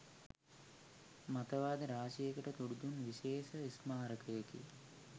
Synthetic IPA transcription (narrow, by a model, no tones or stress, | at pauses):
mɐt̪ɐʋaːd̪ɐɾaːʃijɐkɐʈɐt̪uɽud̪unʋiʃeːʃɐismaːɾɐkɐjɐkḭ